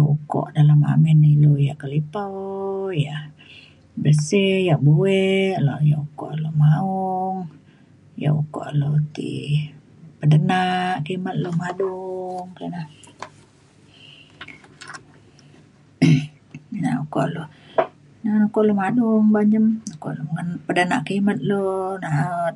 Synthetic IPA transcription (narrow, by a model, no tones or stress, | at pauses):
ukɔ̰ʔdalama̰mɛnilojaʔkəlipaja | bəsejaʔbuwɛʔlojaʔukɔ̰ʔlomaɔŋ | ja̰ʔuko̰ʔlot̪ḭ | pədənaʔkimat̪̚lomaduŋkəna | na̰uko̰ʔlo | nanukoʔlomaduŋbaɲd͡ʒəmnuko̰ʔlomŋənpədənaʔkimat̪̚lonaʔt̪̚